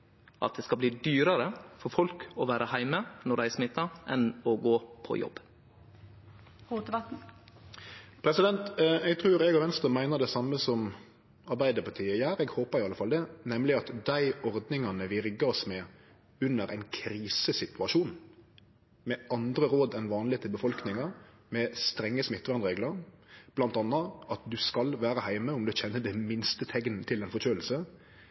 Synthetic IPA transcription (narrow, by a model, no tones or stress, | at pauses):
ʔɑ̰t̪̚d̪ɛskɑbliːd̪yːɾəɾəfɔɾfɔlkɔʋæːɾʔəhæɪmənɔɖæɪsmɪt̪ːɑʔɛnɔɡoːpʰɔ̰jɔ̰bː | uːt̪əʋɑt̪n̩ | pʰɾɛsɪd̪ɛnt̪ɛɡ̚t̪ʰʁʉːɾɛɡɑʋɛnst̪əmæɪnəd̪ɛsɑmːəsɔm | ɑɾbæɪd̪əpɑt̪ʰiːjæːɾɛːɡhoːpəɾɪɑlːəfɑld̪ɛnɛmlɪɑt̪d̪æɪɔɾd̪nɪŋɑnəʋɪɾɡəɾɔsmɛ | ʉnːəɾʔæ̰ɪnkʰɾiːsəsɪt̪ʰʉɑʂuːn | mɛʔɑnd̪ɾəɾoːd̪ɛnʋɑːnlɪet̪ʰːɪlbəfɔlknɪŋɑ | mɛst̪ɾɛŋːəsmɪt̪ːʋɑɾnɾeːɡləɾb̥lɑnt̪ɑnːɑɑt̪̚d̪ʉskɑlʋæːɾəhæɪməʊmd̪ʉçɛnːəd̪ɛmɪnst̪ət̪ʰɛɡnt̪ʰɪlɛnfɔçøːl̩sə